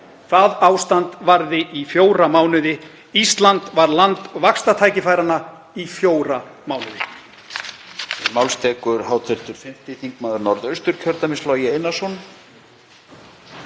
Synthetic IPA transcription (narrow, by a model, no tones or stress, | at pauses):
θaðaːwst̪ant̪vaɾðɪʔifjoːwɾamaːwnʏðɪ | ist̪lant̪vaɾlant̪vakst̪at̪ʰaːjcɪfajɾanːa | ifjoːwɾamaːwnʏðɪ | mawlst̪ʰɛːkʏɾ̥ɦaːwt̪ʰɛɾ̥t̪ʏɾ̥fɪm̥t̪ɪθiŋkmaːðʏɾnɔɾðœɥst̪ʏɾ̥cʰœɾt̪amɪst̪lɔjɪejnːasɔn